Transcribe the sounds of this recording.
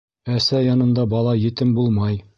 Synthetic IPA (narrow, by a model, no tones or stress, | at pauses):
æsæjɒnɤ̆nd̪ɑbɒlˠɑjɘ̆t̪ɘmbulˠmɑj